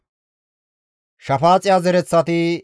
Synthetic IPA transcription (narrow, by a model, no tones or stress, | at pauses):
ʃɐfaːt͡sʼɪjaːzɛɾɛt͡sːɐt̪ɪ